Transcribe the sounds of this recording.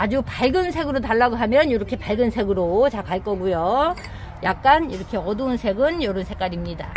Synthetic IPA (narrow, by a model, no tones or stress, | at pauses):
ad͡ʑupaɭɡɯnsʰe̞ɡɯɾotaɭːaɡoɦamjʌnjʌɾʌkʰe̞paɭɡɯnsʰe̞ɡɯɾot͡ɕakaɭk͈ʌɡujo | jak̚k͈aniɾʌkʰe̞ʌdounsʰe̞ɡɯnjʌɾɯnsʰe̞k͈aɾimɲida